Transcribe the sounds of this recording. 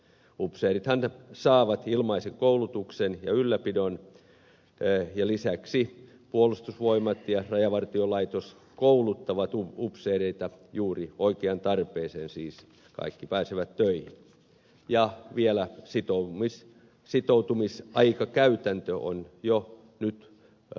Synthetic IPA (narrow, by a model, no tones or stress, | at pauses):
upseːrit̪hɑnsɑːʋɑt̪ilmɑiseŋkoulut̪uksenjɑylːæpidon | jɑlisæksi | puolust̪usʋoimɑt̪jɑrɑjɑʋɑrt̪iolɑit̪os | koulut̪ːɑʋɑt̪uupseːreit̪ɑjuːrioikeɑnt̪ɑrpeːseːnsiːs | kɑ̰ikːipæːseʋæt̪tøihin | jɑʋielæsit̪omis | sit̪out̪umisʔɑikɑkæyt̪ænt̪øo̰njo | nyt̪